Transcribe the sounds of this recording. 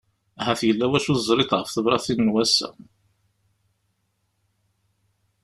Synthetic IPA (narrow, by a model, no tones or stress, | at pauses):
hæθjəlːæwæʃuθzˤɾˤɪt̪ʁəfθəvɾˤɑθinːwæsæ̰